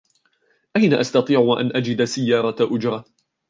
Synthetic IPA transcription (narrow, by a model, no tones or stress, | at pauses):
ʔajnaʔast̪ɑt̪ˤiːʕwʔanʔad͡ʒɪd̪sajːɑːɾˤɑʔʊd͡ʒɾˤɑ